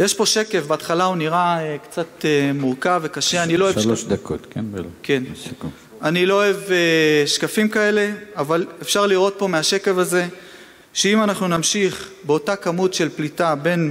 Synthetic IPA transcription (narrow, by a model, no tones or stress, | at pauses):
jeʃpo̞ʃe̞ke̞vbeatχalauniʁaekt͡sat̪emuʁkave̞kaʃeaniloeoʃd̪akot̪kenke̞nku | anilo̞oeveʃkafimkae̞le̞avalefʃaʁliʁo̞t̚po̞meaʃe̞ke̞vaze̞ | ʃeimanaχnunamʃiχbeo̞takamutʃe̞lplitabe̞n